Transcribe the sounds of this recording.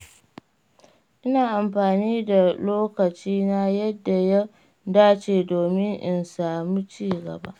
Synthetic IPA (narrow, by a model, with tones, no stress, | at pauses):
ʔɪ˦naː˨ʔa˨mɸaː˨niː˦da˨loː˦kɐ˨t͡ʃiː˦na˦jɐ˦dːa˨ja˦ | daː˦t͡ʃeː˨doː˨mɪ˦ŋʔɪ˨nsaː˨mu˦t͡ʃiː˦ɡɐ̰˨ba̰˦ʔ